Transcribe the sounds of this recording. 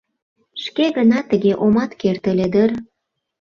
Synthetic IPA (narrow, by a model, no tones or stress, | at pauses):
ʃkeɣənɑt̪əɣeʔomɑt̪kert̪ə̆led̪ər